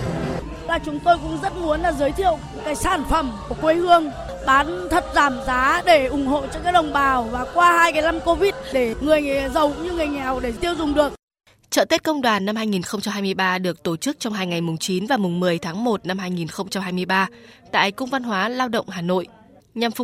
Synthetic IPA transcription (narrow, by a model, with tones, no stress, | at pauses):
laː˨˩t͡ɕʊ˨˦ŋ͡mt̪o˧jkʊ̰˧˥ŋ͡mzə˦˥t̚mu˨˦ənlaː˨˩zəː˨˦jt̪ʰḭ˧˨ə˨wkaː˨˦jsaː˧˩nfə˧˩mku˧˩əkwe˧hɨ˧əŋ | ɓaː˨˦nt̪ʰə˨˩t̚zaː˧˩mzaː˨˦ɗe˧˩ʔʊ˧˩ŋ͡mho̰˧˨t͡ɕkaː˦˥k̚ɗə˨˩wŋ͡mɓaː˨˩wvaː˨˩kwaː˧haː˧jkaː˨˦jna˧mko˧vi˦˥t̚ɗe˧˩ŋɨ˨˩əjzə˨˩wɲɨ˧ŋɨ˨˩əjŋɛ˨˩wɗe˧˩t̪i˧əwzʊ˨˩ŋ͡mɗɨ˨˩ək̚ | t͡ɕə̰ː˧˨t̪e˦˥t̚kə˧wŋ͡mɗwaː˨˩nːa˧mɦaː˧jŋi˨˩nxə˧wŋ͡mt͡ɕa˧mɦaː˧jmɨ˧əjɓaː˧ɗɨ˨˩ək̚t̪o˧˩t͡ɕɨ˦˥k̚t͡ɕɔ˧wŋ͡mɦaː˧jŋa˨˩jmʊ˨˩ŋ͡mt͡ɕi˨˦nvaː˨˩mʊ˨˩ŋ͡mmɨ˨˩əjt̪ʰaː˨˦ŋmo˨˩t̚na˧mɦaː˧jŋi˨˩nxə˧wŋ͡mt͡ɕa˧mhɦaː˧jmɨ˧əjɓaː˧ | t̪a̰ː˧˨jkʊ˧wŋ͡mva˧nɦwaː˨˦laː˧wɗə̰˧˨wŋ͡mɦaː˨˩no̰˧˨j | ɲa˨˩mfʊ˨˩